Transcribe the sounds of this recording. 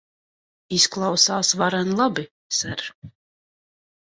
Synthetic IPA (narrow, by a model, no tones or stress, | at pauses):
isklˠawsaːsvaɾanlˠabi | sɛɾ